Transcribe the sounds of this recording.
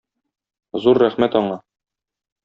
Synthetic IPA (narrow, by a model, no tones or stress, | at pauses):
zuɾːæχmæt̪ɒɴɑ